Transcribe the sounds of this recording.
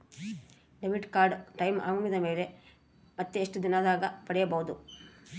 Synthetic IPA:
ɖeʋiʈkaːɾɖʈɐjmʔa̰ːmɐmid̪ɐme̞ːle̞ | mɐt̪ːeeʂʈud̪inad̪aːɡɐpɐɽɛjɐbɐɦud̪u

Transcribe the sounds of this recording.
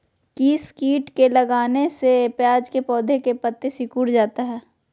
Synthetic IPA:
kiskiːʈkelɐɡaːnesepjaːd͡ʒkepɔːd̪ʱekepət̪ːesɪkuːɽd͡ʒaːt̪aɦɛː

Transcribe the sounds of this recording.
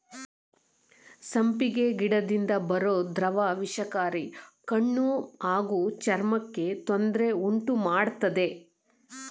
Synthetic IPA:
sɐmpiɡe̞ɡiɽɐd̪ind̪ɐbɐɾoːd̪ɾɐʋaːʋiʂɐkaːɾikɐɳːuaːɡuːt͡ʃɐɾmɐkːe̞t̪ond̪ɾe̞uɳʈumaːɽt̪ɐd̪e̞

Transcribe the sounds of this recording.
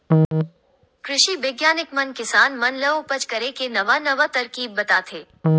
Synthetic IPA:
kɾɪʃibeːɡjaːnɪkmɐnkɪsaːnmɐnlɐopɐt͡ʃkɐɾekenɐʋanɐʋat̪ɐɾkiːbːɐt̪aːt̪ʰeː

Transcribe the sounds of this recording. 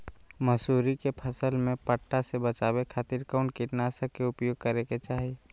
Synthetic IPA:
məsuːɾikepʰəsəlmẽpəʈːasebət͡ʃaːbekʰaːt̪iɾkaʊɳʈkiʈnasəkeʊpjoːɡ̚kəɾeket͡ʃaːɦi

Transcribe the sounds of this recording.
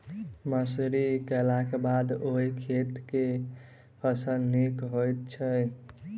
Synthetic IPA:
məsuɾikɛlakebad̪oikʰet̪ke | həsəlnikɦojt̪̚t͡ʃʰəj

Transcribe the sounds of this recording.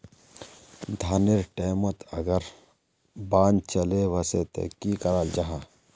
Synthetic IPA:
d̪ʱaːnɪɾʈeːmət̪ʰɐɡəɾ | baːnt͡ʃɐleʋɐset̪ḛkikɐɾald͡ʒaɦaː

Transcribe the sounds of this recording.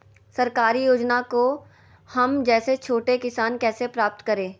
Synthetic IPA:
sɐɾkaːɾijoːd͡ʒnako | hɐmd͡ʒɛːset͡ʃʰoːʈekɪsaːnkɛːsepɾaːp̚t̪kɐɾẽː

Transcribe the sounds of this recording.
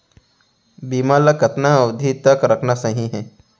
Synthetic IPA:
biːmaləkɐt̪naɐwd̪ʱit̪əkɾɐkʰnasɐɦĩɦɛː

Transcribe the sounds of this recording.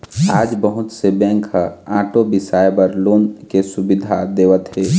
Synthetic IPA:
aːd͡ʒbəɦʊt̪sebɛ̃ːŋkaãːʈobɪsaːjebəɾloːnkesʊbɪd̪ʱad̪eːʋət̪ɦeː

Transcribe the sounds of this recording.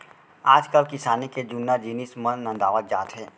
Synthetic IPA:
aːd͡ʒkəlkɪsaːniked͡ʒʊnːad͡ʒiːnismə̃nːə̃d̪aːʋət̪̚d͡ʒa̰ːt̪ɦɛ̃ː

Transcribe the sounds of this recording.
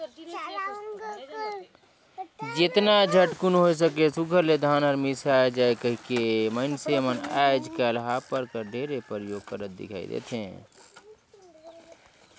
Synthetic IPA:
d͡ʒɪt̪nad͡ʒʱəʈkʊnɦois̬əkesʊɡʱəɾled̪ʱaːnəɾmisad͡ʒaːekəɦikeməɪnseməna̰ːd͡ʒkalɦapəɾkəɾɖʱeːɾepəɾjoːɡ̚kəɾət̪̚d̪ɪ̰kʰa̰ːḭd̪ḛːt̪ʰẽ

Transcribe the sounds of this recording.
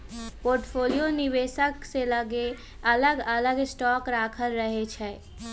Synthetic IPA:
poːɾʈfʰoːlijonɪʋeːʃəkselɐɡe | ɐləɡələɡɪsʈɔːkɾaːkʰəlɾəɦet͡ʃʰɛː

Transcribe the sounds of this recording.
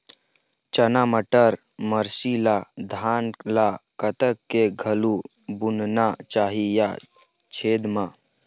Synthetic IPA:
t͡ʃənaməʈəɾ | məɾsilad̪ʱaːnlakət̪əkkeɡʱɐlu | bʊnnat͡ʃaːɦija | t͡ʃʰeːd̪maː

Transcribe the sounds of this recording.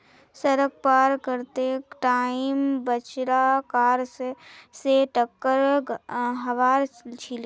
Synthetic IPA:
səɾək̚paːɾkəɾt̪eʈaːɪmbət͡ʃɾakaːɾsseʈəkːəɾ | ɦɐʋaːɾt͡ʃʰil

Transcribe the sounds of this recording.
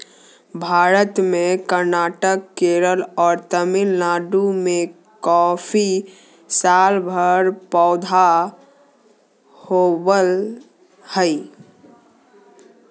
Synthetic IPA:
bʱaːɾət̪mẽkəɾnaːʈəkːeːɾəlɔːɾt̪əmɪlːaːɖumẽ | kɔːfʰi | saːlbʱəɾpɔːd̪ʱa | howəl | həi

